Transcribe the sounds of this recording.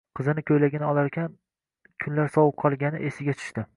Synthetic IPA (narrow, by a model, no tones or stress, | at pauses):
qʰɨzɪnɪkʲʰɵjlaɡʲɪnɪɒlˠaɾkʲʰan | kʲʰʊnlaɾsɒwʊp̚qʰɒlˠɡʲanɪ̰ʔesɪɡʲat͡ʃʰʊ̥ʃt̪ɪ